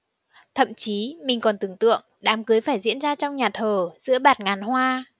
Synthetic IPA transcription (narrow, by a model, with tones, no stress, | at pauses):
t̪ʰə̰˧˨mt͡ɕi˨˦mï˨˩ŋ̟kɔ˨˩nt̪ɨ˨˩ŋt̪ɨ̰˧˨əŋɗaː˨˦mkɨ˨˦jfaː˧˩jzḭ˧˥ənzaː˧t͡ɕɔ˧wŋ͡mɲaː˨˩t̪ʰəː˨˩zɨ̰˧˥əɓaː˨˩t̚ŋaː˨˩nhwaː˧